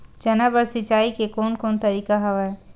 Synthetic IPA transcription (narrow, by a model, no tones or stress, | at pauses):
d͡ʒɐnabəɾsɪt͡ʃaːikekoːnkoːnt̪ɐɾiːkaɦɐʋɛ